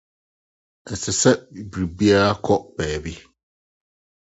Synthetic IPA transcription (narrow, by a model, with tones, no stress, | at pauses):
n̩˨sɪ˨sɛ˦˨bi˨bi˦a˦ɾa˦kʰɔ˦ʔb̥ɛː˨bi˦